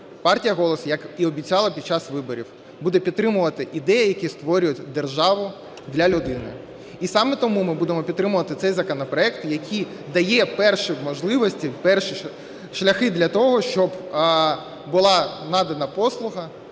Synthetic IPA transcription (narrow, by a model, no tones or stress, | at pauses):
pɑrtʲijɐɦɔlˠɔsjɐkiɔbʲit͡sʲɑlˠɐpʲid̪t͡ʃɑsʋɪbɔɾʲḭw | bud̪ɛpʲt̪t̪ːɾɪmʊʋɐt̪ɪʔid̪ɛjɐjɐkʲist̪ʋɔɾʲʊjʊtʲd̪erʒɑʋʊ | d̪lʲɐlʲʊd̪ɪnɪ̰ | isɑmɛt̪ɔmumɪbud̪emɔpʲid̪t̪ːɾɪmʊʋɐt̪ɪt̪sɛjzɐkɔnɔpɾɔɛkt̪jɐkʲʰij | d̪ɐjɛpɛrʃimɔʒlˠɪʋɔsʲtʲipɛrʃi | ʃlʲɐxɪd̪lʲɐt̪ɔɦɔʃt͡ʃɔb | bʊlˠɑnɑd̪ɐnɐpɔslˠʊɦɐ